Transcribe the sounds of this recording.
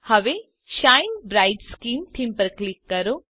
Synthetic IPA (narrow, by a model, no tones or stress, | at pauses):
hɐʋe | ʃaːjnbɾajɖskiːmt̪ʰimpəɾklikːɐɾo